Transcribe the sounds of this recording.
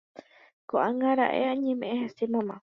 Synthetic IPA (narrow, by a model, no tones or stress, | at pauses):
koʔãŋɡãɾa̰ʔḛãɲẽmẽʔẽhẽsimãmã